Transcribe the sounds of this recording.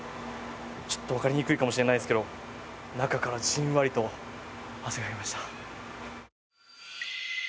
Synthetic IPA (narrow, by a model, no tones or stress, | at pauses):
t͡ɕo̥t̪ːo̞βakaɾʲiɲ̟ikɯ̟ikamo̞ɕiɾe̞naid̪esɨ̥ke̞d̪onakakaɾaʑĩɰ̃βaɾʲit̪o̞ | haseɡaɡemaɕi̥t̪ḁ